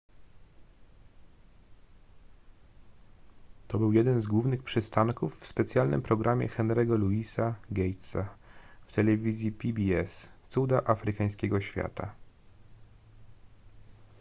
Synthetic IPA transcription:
t̪ɔbɘwjɛd̪ɛnzɡwuvnɘxpʂɘst̪aŋkufːspɛt̪sʲjalnɘ̰mpɾɔɡɾʔamʲjɛ̰xɛnɾɛɡɔluisaɡʲɛjt̪saft̪ɛlɛvʲizʲjipʲibʲiɛst̪sud̪aʔafɾɘkaj̃skʲɛɡɔɕfʲja̰t̪a̰

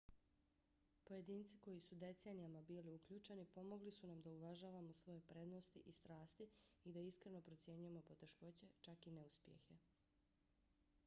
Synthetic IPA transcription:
po̞je̞d̪iːnt̪siko̞jisud̪e̞t̪se̞ːnijamabiːliukʎuːt͡ʃe̞nipo̞mo̞ɡlisunamd̪auʋaʒaːʋamo̞sʋo̞je̞pɾe̞d̪no̞st̪iʔist̪ɾaːst̪iid̪aiskɾe̞no̞pɾo̞t̪sʲje̞ɲuje̞mo̞po̞t̪e̞ʃko̞t͡ɕe̞t͡ʃakineuspjḛxe̞

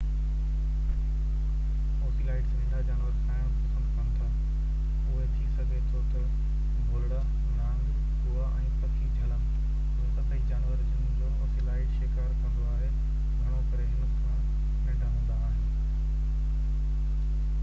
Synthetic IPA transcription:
oːsilaːɪʈsʋĩːnd̪ad͡ʑaːnʋəɾsaːɪɽ̃pɐsə̃nd̪kə̃nt̪ʰa | ʊɦet̪ʰisɐɡʱet̪ʰɔt̪əɽ | bʱʊlɽə | naːn | kuaʔɛ̃ːpɐt̪ʰitd͡ʑʱɐlə | ʊ̃ːt̪ɐsãid͡ʑaːnʋəɾd͡ʑɪ̃d͡ʑooːsiːlaːɪʈʃeːkaːɾkɐ̃nd̪oaːɦe | ɡʱɐɽ̃okɐɾeɦɪnəkʰã | mɪ̃ɖʱaʋə̃ːn̆d̪aːɦenɪ

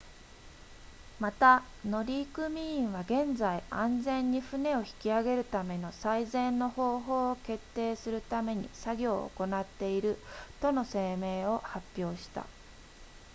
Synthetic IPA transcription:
mat̪a | no̞ɾʲiːkɯ̟mʲĩːɰ̃βaɡẽ̞nd͡zaiãnd͡zẽ̞ɲ̟ːiɸɯ̟ne̞o̞çi̥kʲiaɡe̞ɾɯ̟t̪ame̞no̞saizẽ̞nːo̞ho̞ːɦo̞ːoke̞t̪ːe̞ːsɨɾɯ̟t̪ame̞ɲ̟ḭsaɡʲo̞ːo̰ko̞nat̪ːe̞iɾɯ̟t̪o̞no̞se̞ːme̞ːo̞hapʲːjo̞ːɕi̥t̪a̰

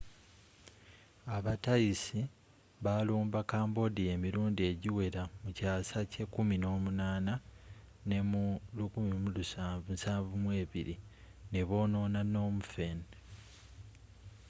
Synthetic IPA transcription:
aβatajisi | βaluːmbakaːmbo̞dije̞miɾuːndie̞ɟiwe̞ɾamucaːsace̞kumino̞ːmunaːnane̞mulukumimulusaːvusaːɱvumwe̞ːβḭɾḭ | ne̞βo̞ːno̞ːnano̞ːmufen

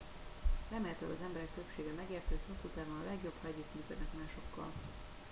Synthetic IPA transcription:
rɛmeːlt̪ø̰ːlɒ̰zɛmbɛɾɛkt̪ø̞pʃeːɡɛmɛɡeːrt̪øːt̪ho̞sːuːt̪aːvonɒlɛɡjo̞bhɒɟyt̪myːkød̪ɛkmaːʃo̞kːɒ̰l

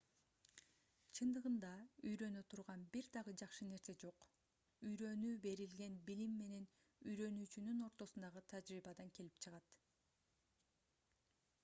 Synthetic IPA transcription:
t͡ʃʰɯnd̪ɯʁɯnd̪ɑyjɾø̞nøt̪ʰuɾʁɑnbiɾd̪ɑʁɯd͡ʒɑχʃɯne̞ɾse̞d͡ʒo̞q | yjɾø̞nyːbe̞ɾilɡe̞nbilimːe̞ne̞n | yjɾø̞nyːt͡ʃynyno̞ɾt̪o̞sund̪ɑʁɯt̪ʰɑd͡ʒɾiːbɑd̪ɑŋke̞lipt͡ʃʰɯʁɑt̪

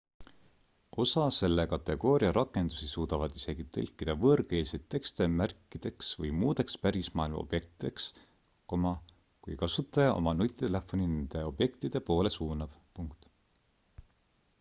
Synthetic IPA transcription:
o̞sɑse̞lːekɑt̪ːˑe̞ɡ̥o̞ːɾiɑɾɑkːˑe̞nd̪̥u̥sisuːd̪̥ɑvɑd̪̥ise̞ɡ̥it̪elʲkˑːid̪̥ɑvɤrɡeːlised̪̥̚e̞kst̪e̞mærkːˑid̪̥e̞ksvɤjmuːd̪̥e̞kspæɾismɑ̰ːilmɑ̰ob̥je̞k̚t̪id̪̥e̞ks | ko̞mɑ | kujkɑsut̪ːˑɑjɑʔo̞̰mɑnut̪ʲːˑt̪ele̞fːo̞ninend̪̥e̞o̞b̥je̞kt̪id̪̥e̞po̞ːle̞suːnɑb̥puŋkt̪

